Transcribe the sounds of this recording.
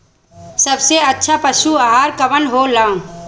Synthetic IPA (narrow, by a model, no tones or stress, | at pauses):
səbseɐtːʃʰapəʃuaɦaːɾkəʋənɦoːlãː